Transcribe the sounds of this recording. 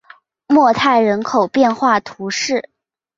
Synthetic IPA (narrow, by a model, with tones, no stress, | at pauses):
mwɔ˥˧t̪ʰa˥˩ɪɻə˧˥nkʰo˨˩ʊpjɛ˥˧nxwa˥˩t̪ʰu˧˥ʂɻ̩˥˩